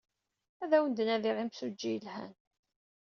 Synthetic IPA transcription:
æðæwənd̪ənæðiʁimsud͡ʒːijəlhæ̰n

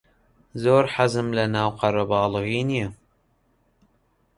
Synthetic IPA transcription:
zoːɾħazɨmlɐnaːwqɐɾabɑːlɨɣiːnijɛ

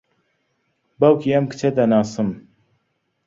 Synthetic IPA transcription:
bɐwkʰiɐmkɨ̥t͡ʃʰed̪ɐnaːsɨm

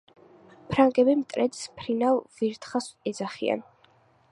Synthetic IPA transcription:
pʰɾaŋɡɛbimt̪ʼɾɛd̪spʰɾinalˠviɾt̪ʰχasɛd̪zaχḭa̰n

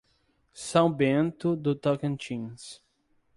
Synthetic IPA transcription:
sãw̃bẽnt̪ʊd̪ʊt̪ɔkẽnt͡ʃĩns

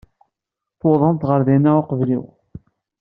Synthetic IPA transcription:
θoðˤənt̪ʁəɾðinæʊqəvlḭw

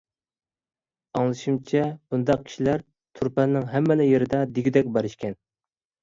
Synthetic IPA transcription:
ɑŋlˠɨʃimt͡ʃʰɛb̥und̪ɑq̚kʲʰi̥ʃilæɾ | t̪ʰuɾpɛlnɪŋɦɛmːɪlɪjeɾɪd̪ɛd̪iɡʲid̪ɛk̚ʲbɑɾɨʃkʲɛn

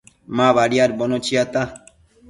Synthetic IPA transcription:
mãβaɽijaɾbɔnot͡ʃʰiat̪a

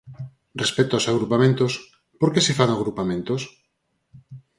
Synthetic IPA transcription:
respɛt̪oasaɣɾupamẽnt̪os | poɾkesefaŋaɣɾupamẽnt̪os

